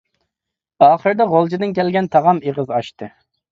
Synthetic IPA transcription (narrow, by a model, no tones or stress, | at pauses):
ɑːχəɾd̪ɑʁolˠd͡ʒid̪ɪnkʲɛlɡʲɛnt̪ʰɑʁɑmeʁəzɑʃt̪ɨ